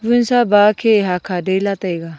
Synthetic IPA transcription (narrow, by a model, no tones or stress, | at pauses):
ʋunsabaːkʰeɦakʰaɖelat̪aiɡa